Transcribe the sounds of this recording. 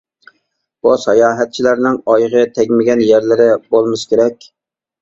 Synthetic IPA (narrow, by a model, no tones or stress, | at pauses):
b̥usɛjɑːɦæt̪̚t͡ʃʰilæɾnɪŋɑjʁɨt̪ʰɛɡʲmɪɡʲɛnjæɾlɪɾɪbolˠmɪʃkʲʰeɾɛkʲ